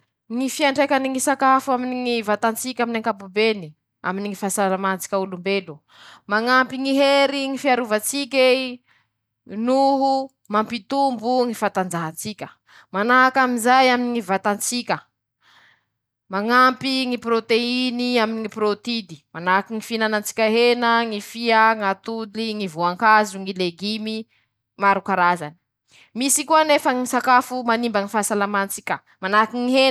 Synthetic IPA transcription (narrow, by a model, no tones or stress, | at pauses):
ŋifiaɳɖ͡ʐekʲaniŋisakafuaminiŋivat̪ant͡sikʲaminaŋkapubeni | a̰miniŋifasaɾamant͡si̥kʲaulumbelu | maŋampiŋiɦeɾiŋifiaɾuvat͡sikʲe | nuɦu | mampit̪umbuŋifat̪and͡ʒaɦat͡sikʲə | manaɦakaminzajaminiŋivat̪ant͡sikʲə | maŋampiŋipɾot̪einiaminiŋiprot̪id̪i̥manakiŋifinanant͡si̥kʲaɦenəŋifiaŋat̪uliŋivuaŋkazuŋileɡimi | maɾukaɾaza̰ni̥ | misikuanefəŋisakafumanimbaŋifasalamant͡sikʲə | manakiŋiɦen